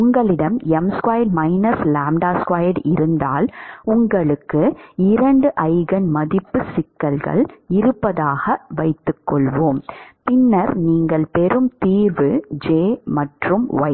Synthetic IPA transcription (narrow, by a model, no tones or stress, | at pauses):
ʊŋɡɐɭɪɽɐmɛmskwaːjɖmɐɪnɐslaːmɖaːskwaːjɐɖɪɾɯnd̪a̰ːlʊŋɡɐɭɯkːɯɪɾɐɳɖɯʔɐɪɣɐnmɐðɪpːɯsɪkːɐlɣɐ̰ɭɪɾɯpːɐðaːɣɐʋɐɪt̪ːɯkːɔɭʋoːmpɪnːɐɾniːŋɡɐɭpɛɾɯmt̪iːɾʋɯd͡ʒeːmɐʈrɯmʋɐ̰ɪ